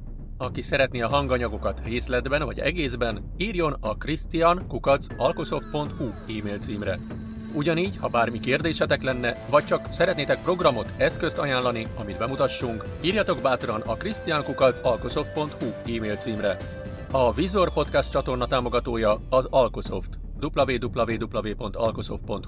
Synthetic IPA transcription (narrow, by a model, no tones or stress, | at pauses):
ɒkisɛɾɛt̪neɒɦɒŋɡɒɲɒɡo̞kɒt̪reːslɛd̪bɛnvɒɟɛ̰ɡeːzbɛn | iːrjo̞nɒkrist̪ijɒnkukɒt̪sɒlko̞so̞fpːo̞nt̪hu | iːmeːlt̪siːmrɛ | uɟɒniːɟhɒbaːrmikeːrd̪eːʃɛt̪ɛklɛnːɛvɒc̚t͡ʃɒksɛɾɛt̪neːt̪ɛk̚pro̞ɡrɒmo̞t̪ɛskø̞st̪ɒjaːnlɒniɒmid̪bɛmut̪ɒʃːuŋk | iːrjɒt̪o̞ɡbaːt̪rɒnɒkrist̪ijaŋkukɒt̪sɒlkoso̞ft̪̚po̞nt̪huiːmeːlt̪siːmrɛ | ɒvizo̞rpo̞t̪kɛst̪t͡ʃɒt̪o̞rnɒt̪aːmo̞ɡɒt̪oːjɒɒzɒlko̞so̞̰ft̪ | d̪uplɒveːd̪uplɒveːd̪uplɒveːpo̞nt̪ɒ̰lkoso̞̰ft̪po̞nt̪